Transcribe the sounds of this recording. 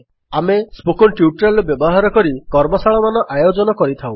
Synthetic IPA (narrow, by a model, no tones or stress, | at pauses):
amespokɔnʈiuʈɾelɔbjɔbɔɦaɾɔkɔɾikɔɾmɔsaɭɔmanɔʔajod͡ʒɔnɔkɔɾit̪ʰaw̃